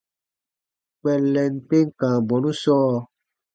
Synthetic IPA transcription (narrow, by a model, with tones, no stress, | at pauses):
k͡pɛ˨lɛ˨n̩˨k͡pe˦ŋ̩˦kã˨bɔ˨nũ˦sɔː˦˨